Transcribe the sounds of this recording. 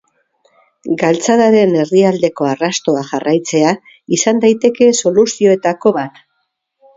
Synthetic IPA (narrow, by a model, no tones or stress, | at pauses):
ɡalt͡saðaɾe̞ne̞riald̪e̞ko̞arast̪o̞axarajt͡se̞a | isand̪ajt̪e̞ke̞so̞lusio̞et̪ako̞βat̪